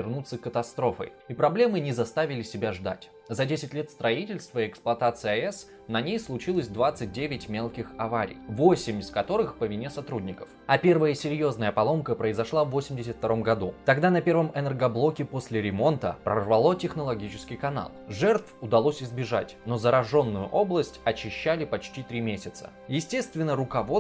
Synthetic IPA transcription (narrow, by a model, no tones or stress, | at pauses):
ɪrnut̪səkət̪ɐst̪ɾo̞fə̰j | ipɾɐblʲe̞mɨnʲɪzɐst̪avʲɪlʲɪsʲɪbʲaʐd̪a̰tʲ | zɐdʲesʲɪtʲlʲe̞t̪st̪ɾɐitʲɪlʲst̪vəɪɛksplˠɐt̪at̪sɨjəɐɛs | nɐnʲejslˠʊt͡ɕilˠəsʲd̪vat̪sɨt̚ʲdʲevʲɪtʲmʲe̞lˠkʲɪxɐvaɾʲɪ̰jvo̞sʲɪmʲɪskɐt̪o̞ɾɨxpəvʲɪnʲe̞sɐt̪ɾudʲnʲɪkə̥fɐpʲe̞rvəjəsʲɪɾʲjo̞znəjəpɐlˠo̞mkəpɾəɪzɐʂlˠavːo̞sʲɪmʲdʲɪsʲət̪ft̪ɐɾo̞mɡɐd̪ut̪ɐɡd̪anɐpʲe̞rvəmɛnɛrɡɐblˠo̞kʲɪpo̞sʲlʲɪɾʲɪmo̞nt̪ə̰pɾə̰rvɐlˠo̞tʲɪxnəlˠɐɡʲit͡ɕɪ̥skʲɪjkɐna̰lˠʐɛrt̪fʊd̪ɐlˠo̞sʲɪzbʲɪʐa̰tʲno̞zəɾɐʐo̞nːʊjʊʔo̞blˠəsʲtʲɐt͡ɕːɪɕːælʲɪpɐt͡ɕtʲit̪ɾʲimʲesʲɪt̪sə̥̰ | jɪsʲtʲe̞st̪vʲɪnːəɾʊkɐvo̞